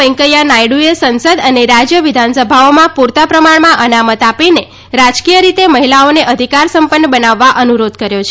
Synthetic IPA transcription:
ə̃ŋkəjanajɽuesənsəd̪əneɾad͡ʒjəʋid̪ʱansəbʱaomãpuɾt̪apɾəmaɳmãʔənamət̪apine | ɾad͡ʒkijəɾit̪eməɦilaoneʔəd̪ʱikaɾsəmpənːəbənaʋːaʔənuɾod̪kəɾjot͡ʃʰ

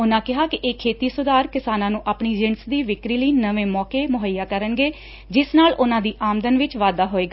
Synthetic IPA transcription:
ʊnãːkɪɦaːkɪʔeːkʰeːt̪iːsʊd̪aːɾkɪsaːnãːnũːʔaːpɳiːd͡ʒɪnsd̪iːʋɪkɾiːləiːnəʋẽːmɔːkeːmʊɦəjːaːkəɾənɡeː | d͡ʒɪsnaːlʊnãːd̪iːʔaːmd̪ənʋɪt͡ʃʋaːd̪aːɦoːeːɡa

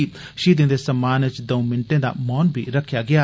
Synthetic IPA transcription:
i | ʃiːd̪ɪ̃nd̪eːsəmaːnət͡ʃd̪əũmɪɳʈẽːd̪a̰ːmɔːnbḭːɾəkʰːjaːɡɪjaː

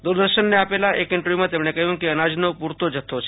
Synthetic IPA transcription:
d̪uɾd̪əɾʃənːeapelaʔekɪɳʈəɾʋjumãt̪emɽ̃ekəɦjũkeənad͡ʒnopuɾt̪od͡ʒət̪ʰot͡ʃʰe

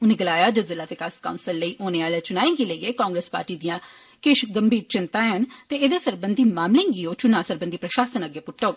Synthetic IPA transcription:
ʊnẽːɡəlaːjaːd͡ʒəzɪlaːt̪ekaskaːʊnsəlːəiːʔoːneːaːlet͡ʃʊnaːẽːŋɡiːləiːeːkãːŋɡɾespa̰ːɾʈiːd̪ijãː | kɪʃɡəmbiːɾt͡ʃɪnt̪ãːeənt̪eːed̪eːsəɾbənd̪iːmaːmlɪ̃ːŋɡiːoːt͡ʃʊnãːsəɾbənd̪iːpɾəʃaːsənəɡːeːpʊʈːoːɡ

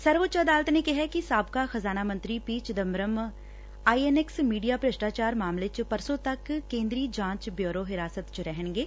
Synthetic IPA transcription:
səɾʋət͡ʃɐd̪aːlət̪nekɪɦɛkisaːb̚kaːxəzaːnaːmə̃nt̪ɾipiːt͡ʃd̪əmɾəm | aːieneksmiːɖijaːpɾəsʈaːt͡ʃaːɾmaːmleːt͡ʃpəɾsõːt̪ɐkːẽːnd̪ɾiːd͡ʒãːt͡ʃbjoːɾoːɦɪɾaːsət̪t͡ʃɾɛɦənɡeː

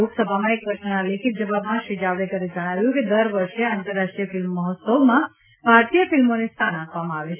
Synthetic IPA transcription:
oksəbʱamãek̚pɾəsnənalekʰit̪̚d͡ʒəʋabmãʃid͡ʒaʋɾekəɾed͡ʒəɽ̃aʋjũked̪əɾʋəɾʃeant̪əɾːaʃʈɾijəfɪlmːəɦət̪səʋmã | bʱaɾt̪ijəfɪlmonest̪ʰanakʰʋamãaʋet͡ʃʰ

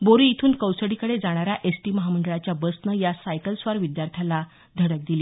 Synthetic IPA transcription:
boɾuit̪ʰuːnkəwsəɽikəɽed͡zaɽ̃aɾjaʔesʈiːməɦaməɳɖɭat͡ɕjabəsnəjasajkəlsʋaɾʋid̪jaɾt̪ʰjala | d̪ʱəɽək̚d̪ili

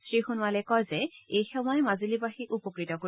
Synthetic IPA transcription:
sɹixunwalɛkɔjzɛejxɔmɔjmazilibaxikupɔkɹitɔko

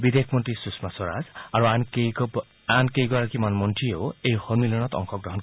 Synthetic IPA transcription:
bid̪ekʰmɔntisusmasɔɹa̰zaɹuane | ankejɡɔɹakimanmɔntʰiewejxɔnmilɔñɔt̪ɔ̰ŋkʰɔɡɹɔɦɔnk

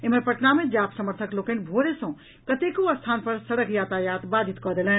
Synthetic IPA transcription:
eməɾpəʈnamed͡ʒapsəməɾt̪ʰəklokenbʱoɾesə̃ | kət̪ekoəst̪ʰanpəɾsəɽəkʰjat̪ajat̪bad̪ʱit̪kɔd̪elɛ̃n

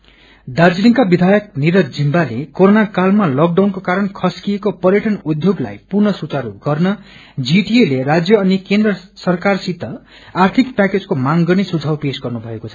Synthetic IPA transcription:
d̪ard͡ziniŋkabid̪ʱajʌkniɾʌkd͡zimbalekoɾonakalmalʌk̚ɖawnkokaɾʌnkʰʌskijekopʌɾjeʈʌnud̪ʱjoɡla̰jpurnʌsut͡saɾuɡʌrnʌ | d͡ziʈielerad͡zjʌʌnikend̪rʌsʌrkarsit̪ːʌ | art̪ʰikpaked͡zkomaŋɡʌnesud͡zʱawpesɡʌrnubʱʌekot͡sʰʌ

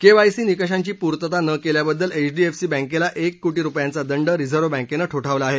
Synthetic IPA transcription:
keʋajsiːnikəʂ̬aɲt͡ɕiːpuɾt̪ət̪anəkeljabəd̪ːəlet͡ɕɖiefsiːbə̃ŋkelaʔekːoʈiːɾupjant͡sad̪əɳɖəɾid͡zʱəɾʋəbə̃ŋkenəːʈʰoʈʰaʋlaaːɦe

